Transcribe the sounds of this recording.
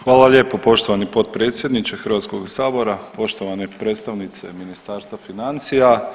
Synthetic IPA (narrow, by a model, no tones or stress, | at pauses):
xʋaːlˠaʎje̞ːpopo̞ʃt̪oʋanipo̞t̪̚pɾet̪sje̞d̪nit͡ʃexəɾʋat̪skoɡsaːbo̞ɾapo̞ʃt̪oʋanepɾet̪st̪aʋnit̪sḛminist̪aːɾst̪ʋafinant̪sija